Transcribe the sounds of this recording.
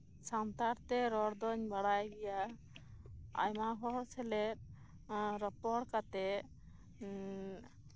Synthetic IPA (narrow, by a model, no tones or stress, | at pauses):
sant̪aɾt̪ɛɾɔɾd̪ɔɲbaɽajɡɛja | a̰jmaɦɔsɛlɛt̪̚ | ɾɔpɔɽkat̪ɛ